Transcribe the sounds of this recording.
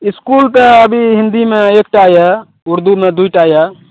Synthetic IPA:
iskult̪əəbʱiɦɪ̃nd̪imẽeːk̚ʈajɛ | ʊɾd̪umed̪uiʈaːjɛ

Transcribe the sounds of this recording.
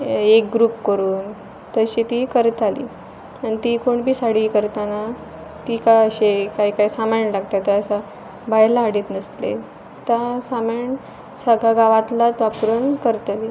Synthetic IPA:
ek̚ɡɾuːpkəɾuːn | t̪əɕit̪ikəɾt̪alḭː | anit̪ikoɳbʱiːsaɽiːkəɾt̪ana | t̪ikaəɕekaikajsamaɳlaɡ̚t̪at̪aəsa | bajlaːɽiːt̪nəslḛ | t̪asamaɳ | səɡʱaɡaʋat̪lat̪ʋapɾənkəɾt̪aliː

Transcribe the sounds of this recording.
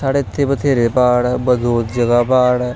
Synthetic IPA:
saːɽet̪ʰːepət̪ʰeːɾepaːɽbəd̪ʱoːt̪d͡ʒəɡapaːɽ

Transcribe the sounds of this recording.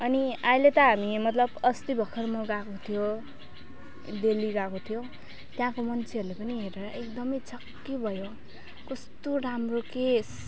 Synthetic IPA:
ʌniajlet̪ʌɦamimʌt̪lʌbʌst̪ibʱʌkʰʌrmʌɡakot̪ʰijo | d̪eliɡakot̪ʰijo | t̪jãkomʌnt͡sʰeʌɾulepʌniɦeɾeɾʌekd̪ʌmʌjt͡sʌkːebʱʌjo | kʌst̪oramrokes

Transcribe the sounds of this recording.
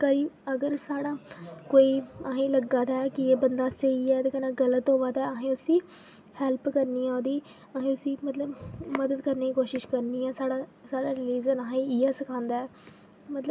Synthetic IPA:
kəɾiːəɡəɾsaːɽaːkoːiːaɦĩːləɡaːd̪aːɛkɪeːbənd̪aːsəiːɛːt̪eːkənaːɡələt̪ɦoːʋaːd̪aːaɦẽːʊsĩː | hɛːlpkəɾniːɛ̃oːd̪iː | aɦẽːʊsĩːmət̪ləbməd̪əd̪kəɾneːiːkoːʃɪʃkəɾniːɛːsaːɽaːsaːɽaːɾɪliːd͡ʒənaːɦãĩiːaːsəkʰãːnd̪aːɛː | mət̪ləb

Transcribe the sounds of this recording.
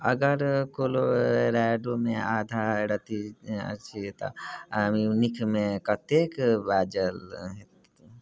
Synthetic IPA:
əɡəɾkoloɾaɖomead̪ʱaɾət̪ḭt͡ʃʰit̪ɔ̰minikʰmekət̪ekbad͡ʒəlɦet̪

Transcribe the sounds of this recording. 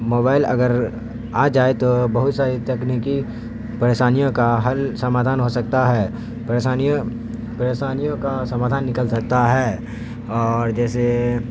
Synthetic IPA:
moːbaːɪlɐ̰ɡəɾ | aːd͡ʒaːet̪obɐɦʊt̪saːɾit̪ɐkniki | pɐɾeːʃaːnijõkaɦɐlsɐmaːd̪ʱaːnɦosɐk̚t̪aɦɛː | peaː | pɐɾeːʃaːnijõkasɐmaːd̪ʱaːnːɪkəlsɐk̚t̪aɦɛː | ɔːɾd͡ʒɛːse

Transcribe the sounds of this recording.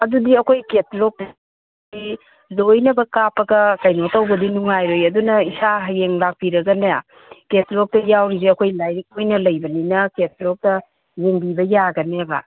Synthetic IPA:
ɐdudiɐkʰojket̚lok̚tɐ | i | zojnɐbɐkapʰɐɡɐkɐjnotɐwbɐdinuŋajɾojɐdunɐisaɦɐjeŋlak̚piɾɐɡɐnaja | ketlok̚tɐjawɾiziɐkʰojlajɾik̚mojnɐlɐjbɐninɐket̚lok̚tɐ | jeŋbibɐjaɡɐnebɐ̰

